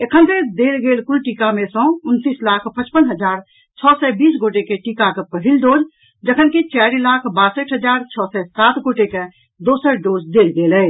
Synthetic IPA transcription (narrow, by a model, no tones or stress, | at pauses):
ekʰənt̪ed̪elɡelkulʈikamesə̃unt̪islakʰpət͡ʃpənɦəd͡ʒaːɾ | t͡ʃʰɔsɛbisɡoʈekeʈikakepəɦilɖod͡ʒ | d͡ʒəkʰənkit͡ʃaɾilakʰbasəʈʰɦəd͡ʒaɾt͡ʃʰɔsɛsat̪ɡoʈeke | d̪osəɾɖod͡ʒd̪elɡelə